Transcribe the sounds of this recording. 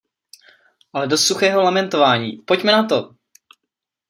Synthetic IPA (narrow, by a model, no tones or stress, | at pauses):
ʔalɛdost̪suxɛːɦolamɛnt̪ovaːɲḭːpo̞cmɛnat̪o̞